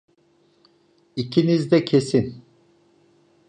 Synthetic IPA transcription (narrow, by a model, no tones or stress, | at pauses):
icʰinizd̪ɛcʰesin